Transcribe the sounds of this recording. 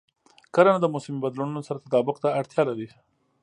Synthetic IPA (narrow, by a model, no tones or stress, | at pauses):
kəlanad̪əmʊsɪmibad̪lununosaɾat̪at̪ɑbʊqt̪aːɽt̪jɑlaɾi